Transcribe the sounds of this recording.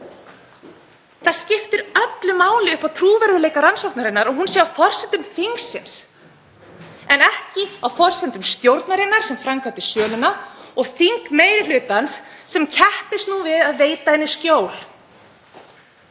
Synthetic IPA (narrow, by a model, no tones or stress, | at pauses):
θaðscɪft̪ʏɾœt̪lʏmaːwlɪʏhpawt̪ʰɾuːvɛɾðʏleːjkaɾansɔwht̪naɾɪnːaɾɔɣɦunsjɛawfɔr̥sɛnt̪ʏmθiŋksːɪns | ɛnɛhcɪawfɔr̥sɛnt̪ʏmst̪jowɾt̪naɾɪnːaɾ̥sɛmfɾamkat̪ɪ̥sœːlʏnaɔɣθiŋkmeːjɾɪl̥ʏːt̪ansːɛmcʰɛhpɪst̪nuvɪðaðveːjt̪ahɛnːɪscoːwl̥